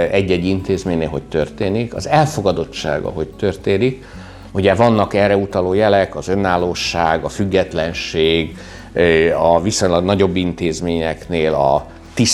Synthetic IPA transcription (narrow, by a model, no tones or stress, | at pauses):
ɛɟːɛɟːint̪eːzmeːɲneːlɦo̞ct̪ø̞rt̪eːnikɒ̰zɛlfo̞ɡɒd̪o̞t͡ʃt͡ʃːa̰ːɡɒ̰ɦo̞ct̪ørt̪eːnik | uɟɛvɒnːɒkɛrɛut̪ɒloːjɛlɛkɒzø̞nːaːloːʃːaːɡɒfyɡːɛt̪lɛnʃeːɡ | ɒvisoɲlɒɡnɒɟo̞bːint̪eːzmeːɲɛkneːlɒ̰ | t̪is